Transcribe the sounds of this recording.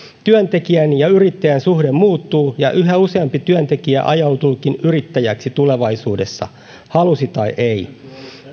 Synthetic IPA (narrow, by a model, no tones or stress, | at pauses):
t̪yønt̪e̞kiænjɑyɾit̪ːæjænsuhdemmuːt̪ːuːjɑʔyɦæuseɑmpit̪yønt̪e̞kiæ̰ʔɑjɑwt̪ulkinyɾit̪ːæjæksit̪ule̞ʋɑisuːdesːɑ̰ | hɑlusit̪ɑiʔei